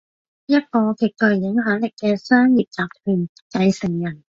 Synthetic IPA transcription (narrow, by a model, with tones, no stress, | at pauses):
jɐ˥t̚kɔː˧kʰi˨˩t̚kɵ˨˩jjɪ˨˥ŋɦœː˨˥ŋlɪ˨˩kːɛː˧sœː˥ŋjiː˨p̚t͡saː˨˩p̚t̪ʰyː˨˩n | kɐ˨˧jsɪ˨˩ŋjɐ˨˩n